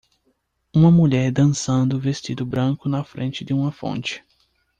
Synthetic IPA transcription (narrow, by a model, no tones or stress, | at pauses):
ũmɐmuʎɛɾd̪ɐ̃sɐ̃nd̪ʊvest͡ʃid̪ʊbɾɐ̃ŋkʊnɐfɾḛ̃nt͡ʃɪd̪ɪũmɐfõ̰nt͡ʃɪ̥